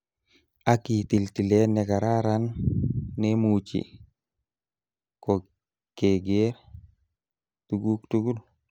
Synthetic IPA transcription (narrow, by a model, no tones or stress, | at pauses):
akitiltilenɛkaɾaɾanː | emut͡ʃḭ | kɔ | keɡeɾ | tuɡuktuɡul